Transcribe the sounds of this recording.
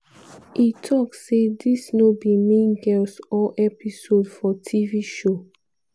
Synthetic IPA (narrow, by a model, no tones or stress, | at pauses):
itʰɔkssedisnobimẽnɡɛlsɔʔɛpisodfɔtʰiviʃo